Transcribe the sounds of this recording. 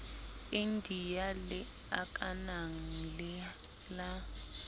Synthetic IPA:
ɪndʱijalɪ | akʼanaŋ̩lɛ | la

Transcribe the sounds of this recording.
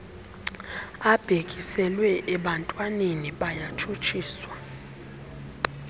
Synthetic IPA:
ab̥ʱekʼisɛlwɛʔɛɓantʼwaneniɓajat͡ʃʰʼut͡ʃʰʼiːswa

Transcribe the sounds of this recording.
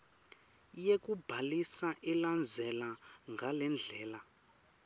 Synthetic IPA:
jekubʱalisaʔɛland͡zʱɛlaŋɡʱalɛnd͡ɮʱɛːla

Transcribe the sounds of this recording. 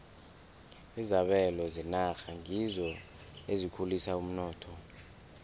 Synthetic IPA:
izaɓɛlɔzinaxaŋizɔ | ezikʰulisaum̩nɔːtʰɔ

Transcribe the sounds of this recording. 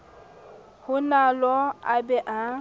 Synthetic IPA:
hʊnalɔa̰bɛʔa

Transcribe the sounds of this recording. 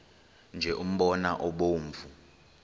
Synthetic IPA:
nd͡ʒʱɛʔum̩ɓɔnaʔɔɓoːɱvu

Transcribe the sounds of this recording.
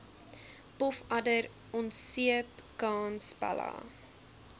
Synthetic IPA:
pɔfɐdəɾ | ɔntsiəpkɑːnspɐ̰lɑ̰ː

